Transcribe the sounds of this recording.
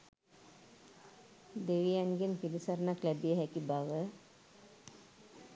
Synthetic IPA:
d̪eʋijaŋɡempilisəɾənaklæbijəɦɛkibaʋə

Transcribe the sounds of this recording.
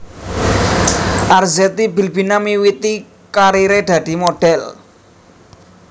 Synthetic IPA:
ʔarzɛt̪ibi̤lbi̤namiwit̪i | kaɾiɾed̪̥ä̤d̪̥i̤moɖ̥ɛl

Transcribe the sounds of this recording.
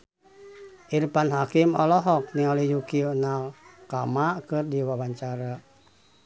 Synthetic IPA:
ʔirpanɦakimɔlɔɦɔk̚nialijukiunalkamakɨrdiwawaɲt͡ʃaɾa

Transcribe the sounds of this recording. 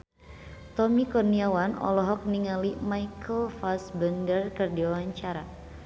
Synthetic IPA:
t̪ɔmikɔrniawanɔ̰lɔɦɔk̚niŋalimajkʰəlfasbəndərkərdiawaɲt͡ʃaɾa̰

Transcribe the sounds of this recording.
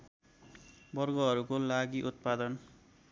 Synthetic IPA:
bʌrɡʌɦʌɾukolaɡiʔut̪̚pad̪ʌn

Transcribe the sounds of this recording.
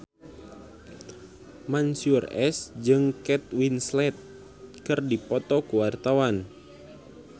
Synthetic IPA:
mansurɛsd͡ʒɨŋkɛt̪̚winslɛt̪̚ | kɨrdipɔt̪ɔkuwart̪awan

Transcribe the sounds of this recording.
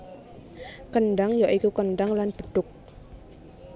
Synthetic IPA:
kənɖaŋjaʔikukənɖaŋlanb̥ə̤ɖ̥ʊk̚

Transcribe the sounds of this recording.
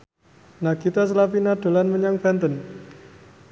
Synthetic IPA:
naɡit̪as̬əlapinad̪̥o̤lanməɲaŋb̥a̤nt̪ən

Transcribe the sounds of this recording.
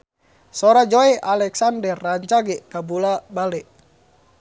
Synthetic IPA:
sɔɾad͡ʒoɛʔalɛksandɛrːaɲt͡ʃaɡɛʔkabulabalɛʔ

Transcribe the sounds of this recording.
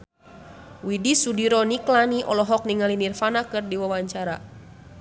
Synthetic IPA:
widisudiɾɔniklaniʔɔlɔɦɔk̚niŋalinirfanakɨrdiwawaɲt͡ʃaɾa

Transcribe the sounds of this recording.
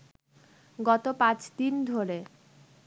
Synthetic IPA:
ɡɔt̪opãt͡ɕd̪ind̪ʱoɾe

